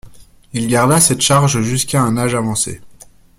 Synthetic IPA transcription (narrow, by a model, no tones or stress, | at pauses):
ilɡʲaʁd̪asɛt̪ʃaʁʒʒyskaɛ̃naʒavɑ̃sḛ